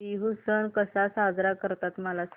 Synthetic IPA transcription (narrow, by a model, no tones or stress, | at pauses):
iɦusənkəsasad͡zɾakəɾt̪at̪məlas